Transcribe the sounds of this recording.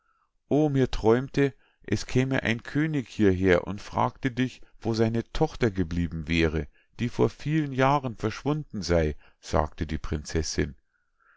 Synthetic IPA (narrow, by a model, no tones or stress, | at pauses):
ʔoːmiːɐtʁ̥ɔʏmtə | ʔɛskʰɛːmə̰ʔa̰ɪnkʰøːnɪçhiːɐɦeːɐʔʊ̰ntfʁ̥a̰ːk̚tədɪçv̥oːzaɪnətʰɔχtɐɡəbliːbm̩vɛːʁə | d̥iːfoːɐfiːlənjaːʁənfɛɐʃv̥ʊndn̩zaɪ | z̥a̰ːktədiːpʁ̥ɪnt͡sɛsɪ̰n